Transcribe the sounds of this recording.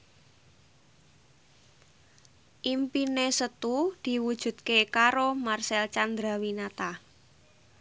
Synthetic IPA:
ʔimpinesət̪ud̪̥i̤wud̥ʒ̥ṳt̪kekaɾomarsɛlt͡ʃand̪ɾawinat̪a

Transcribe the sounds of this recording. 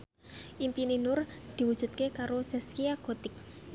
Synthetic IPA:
ʔimpininʊrd̪̥i̤wud̥ʒ̥ṳt̪̚kekaɾosɛskiaɡ̥o̤t̪ɪk̚

